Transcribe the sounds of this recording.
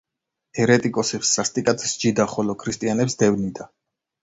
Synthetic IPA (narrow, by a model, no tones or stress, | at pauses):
ɛɾɛt̪ʼikʼɔsiʁsːast̪ʼikʼat̪ʰsd͡ʒid̪aχɔlɔkʰɾist̪ʼianɛpsd̪ɛvnid̪a